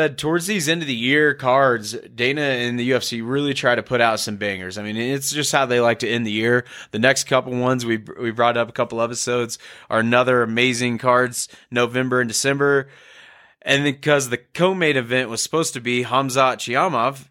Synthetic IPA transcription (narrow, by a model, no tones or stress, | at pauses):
ɛd̚tʰɔɹdzðizɛ̃ntʉðɨjɪɹkʰɑɹdzdẽɪ̃nɨɪ̃nðɨjʉɛfsiɹɪlˠitʰɹ̥aɪɾɨpʰʊɾaʊtsʌ̃mbæ̃ŋə˞zaɪmĩnɨ̃ɨtsd̥ʒ̥ʌst̚haʊðeɪlaɪk̚tʰɨɨ̃nðɨjɪɹðɨnɛkskʰʌpl̩ˠwʌ̃nzwiwibɹɔɾʌpəkʰʌpl̩ˠɛpəsoʊdz̥ʔə˞ɨnʌðə˞ɨmeɪzɪ̃ŋkʰɑɹdz̥noʊvɛ̃mbə˞ɨ̃ndɨsɛ̃mbə˞ | ʔɨ̃nɨkʰʌzðɨkʰoʊmeɪɾɨvɛ̃nʔwʌz̥sə̥poʊz̥tɨbiɦɑ̃mzɑt͡ʃʰiɑmɑf